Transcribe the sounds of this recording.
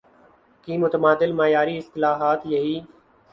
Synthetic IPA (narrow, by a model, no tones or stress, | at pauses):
kiːmʊt̪əmaːd̪ɪlmaːjaːɾiːɪst̪ɪlaːɦaːt̪jɐɦiː